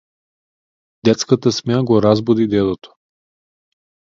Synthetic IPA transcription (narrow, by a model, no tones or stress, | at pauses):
d̪ɛt̪skət̪əsmaɡoɾazbod̪id̪ɛd̪ˠot̪o̥